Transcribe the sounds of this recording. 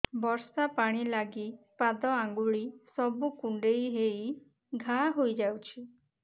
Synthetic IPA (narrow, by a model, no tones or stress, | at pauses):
bɔɾsapaɽ̃ilaɡipad̪ɔaŋɡuɭisɔbukuɳɖejɦej | ɡʱaɦojd͡ʒawt͡ʃʰi